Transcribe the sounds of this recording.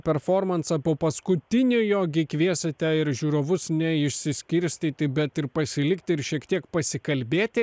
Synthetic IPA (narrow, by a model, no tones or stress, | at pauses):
pʲɛɾfoːɾmɐnsɐpoːpɐskʊt̪ʲɪnʲʊjoːɡʲɪkʋʲiɛsʲɛt̪ʲɛɪɾʒʲuːɾoːʋʊsnʲɛɪʃʲsʲɪsʲkʲɪɾʲsʲt̪ʲiːt̪ʲɪbʲɛt̪ɪɾpɐsʲɪlʲɪkt̪ʲɪɪɾʃʲiɛkt̪ʲiɛkpɐsʲɪkɐlʲbʲeːt̪ʲɪ